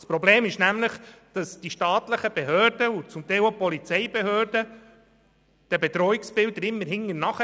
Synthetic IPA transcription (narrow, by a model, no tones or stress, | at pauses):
spɾɔbleːmɪʃnæmləχd̥ɑsd̥iʃtɑːt̪ləχəb̥eɦøːɾdəut͡sʊmt̪ɛɪlopɔlit͡sɛɪbehøːɾd̥ə | d̪̥ɛbet̪ɾɔɪksb̥ɪld̪əɾɪmːəɾɦɪŋːəɾnɑχə